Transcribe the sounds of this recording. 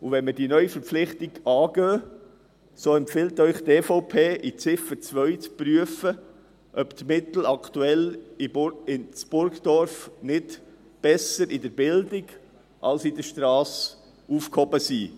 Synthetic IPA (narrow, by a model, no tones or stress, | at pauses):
uʋɛnməɾdiːnœʏifəɾpflɪχt̪ɪɡɑːɡ̥øː | soːɛmpfɪlt̪œʏχt̪eːfoʊpʰeːʔit͡sɪfət͡sʋœʏt͡spɾyəfə | ʔœpt̪mɪt̪l̩ɑkt̪uɛliɪnt͡sb̥ʊɾkdɔɾfnɪt | b̥ɛsəɾidəɾbɪldɪɡ | ʔɑ̰lsidəʃtɾɑːs | uːfkhɔbəsiː